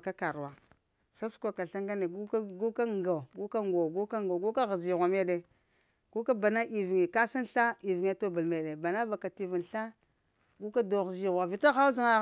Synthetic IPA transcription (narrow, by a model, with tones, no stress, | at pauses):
ka˦ka˨ɾwa˦ | sa˦skʷa˨ka˨ɬa˦ŋɡa˦ne˨ɡu˦ɡu˦ka˦ŋɡa˨ɡu˦ka˦ŋɡo˨ɡu˦ka˦ŋɡa˨ɡu˦ka˦ɣa˨zi˨ɣʷa˨me˦ɗe˦ | ɡ̥u˦ka˦ba˨na˦ʔi˨vŋi˨ka˦si˦nɬa˦i˨vi˨ŋ˦a˦to˦bu˨lme˨ɗe˨ba˨na˦ba˨ka˨ti˨vi˨nɬa˦ | ɡu˦ka˦do˨ɣzi˨ɣʷa˨vi˨ta˦ɣa˦u˦zu˦ŋa˨